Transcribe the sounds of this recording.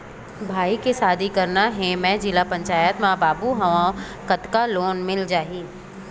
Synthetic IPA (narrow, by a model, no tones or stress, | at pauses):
bʱaːikesaːd̪ʱikɐɾnaɦẽmɛ̃d͡ʒɪlapɐ̃ɲt͡ʃaːjət̪mãbaːbuɦɐʋãː | kɐt̪kaloːnmɪld͡ʒaːɦiː